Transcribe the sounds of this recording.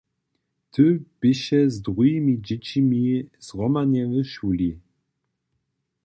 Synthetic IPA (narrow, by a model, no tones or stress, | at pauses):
t̪ʰɨb̥ɪɕɛzd̪ʁujimʲid͡ʑɛt͡ɕimʲiz̥ʁɔmanʲjɛvəʃulʲi